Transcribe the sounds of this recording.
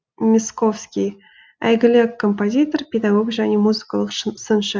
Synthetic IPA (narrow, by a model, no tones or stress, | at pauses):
mʲɪsko̞fskʲij | æ̰jɡɪlʲekʰːompozʲit̪orpʲed̪aɡo̞kʒænʲemuzɨkalˠəqsənʃə